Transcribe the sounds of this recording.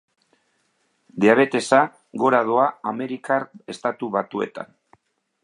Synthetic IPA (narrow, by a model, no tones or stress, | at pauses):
d̪eaβ̞e̞t̪e̞sa | ɣo̞ɾað̞oaame̞ɾikare̞st̪at̪uβat̪ue̞̰t̪a̰n